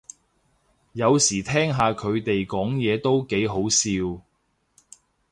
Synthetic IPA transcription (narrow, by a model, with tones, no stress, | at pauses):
jɐ˨˧wsiː˨˩t̪ʰɛː˥ŋɦaː˨˧kʰɵ˨˧ɥt̪e˨jkɔː˨˥ŋjɛː˨˧t̪o˥wke˨˥jɦo˨˥wsiː˧w